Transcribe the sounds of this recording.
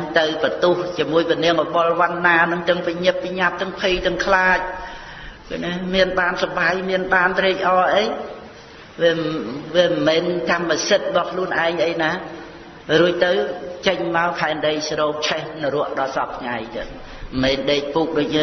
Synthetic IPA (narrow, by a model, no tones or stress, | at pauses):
ŋt̪ɨwpət̪uht͡ɕiəmuəjpəniəŋʔoɓolʋanːaːnɨŋt̪ɨŋpiɲɨpːiɲap̚t̪ɨəŋpʰiːt̪ɨəŋkʰlaːc̚ | kɨnemiənɓaːnsɑɓaːjmiənɓaːnt̪riːc̚ʔɑːʔeːj | ʋiəʋiəmɛːnt̪amməsɨt̪̚rəɓɑhkʰluənʔaɛŋʔəjnaː | ruəc̚t̪ɨwt͡ɕəɲmaɔlkʰaɛnɗəj̚sroːp̚t͡ɕʰɛhnɨɾʊ̆əʔɗɑsɑp̚tʰŋajt̪ɨəŋ | meːnɗeːc̚puːk̚ɗoːc̚nː